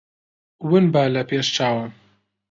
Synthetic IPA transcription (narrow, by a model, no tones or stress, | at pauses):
wɨnbalɐpeːʃt͡ʃʰaːwɐ